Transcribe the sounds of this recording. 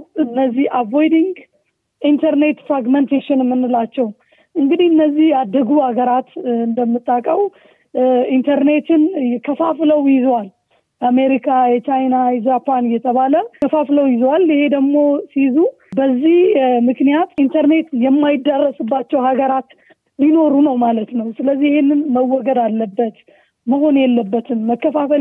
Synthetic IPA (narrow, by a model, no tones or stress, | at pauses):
ɨnːəzːihʔavojd̪iŋɡ | ʔint̪ʰəɾne̞t̪fɾaɡmənt̪ʰeʃɪnmːɨnːɨlat͡ʃːɛw | ʔɨŋɡɨd̪ihɨnːəzːihjad̪ːəɡuhaɡəɾat̪ɨnd̪əmːɨt̪ʼːakʼəw | int̪ʰəɾne̞t̪ɨnjɛkʰəfafləwjɪzwal | jameɾikʰajɛt͡ʃajnajɛzapʰanjːɛt̪ʰəβaləkəfafləwjɪzwalɪhe̞d̪əɡmo̞sizu | bəzːihmɨknijat̪int̪ʰəɾne̞t̪jɛmːajɪd̪ːərːəsɨbːat͡ʃːɛwhaɡəɾat̪ | lino̞ɾunəwmalət̪nəwsɨləzːijɪhenːɨnməwːɔɡəd̪alːəbːət̪ | məɦo̞njɛlːəbːət̪ʰɨnməkːəfafəl